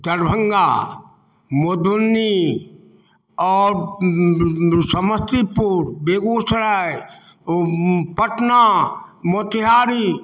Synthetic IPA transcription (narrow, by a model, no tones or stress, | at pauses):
t̪əɾbʱə̃ŋɡa | mod̪unːi | ɔːɾ | səməst̪ipuɾbeːɡoːsəɽaj | pəʈnamot̪ɪɦaːɾi